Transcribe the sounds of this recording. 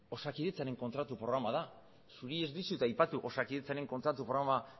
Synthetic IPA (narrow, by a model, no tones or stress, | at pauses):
o̞sakiðet͡saɾe̞ŋko̞nt̪ɾat̪upɾo̞ɣɾamað̞a | suɾie̞zd̪isut̪ajpat̪uʔo̞sakiðet͡saɾe̞ŋko̞nt̪ɾat̪upɾoɾama